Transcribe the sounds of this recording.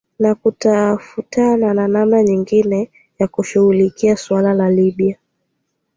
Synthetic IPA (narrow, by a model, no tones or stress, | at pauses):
nakutafutanananamnaɲiŋɡinɛ | jakuʃuhulikiaswalalaliɓia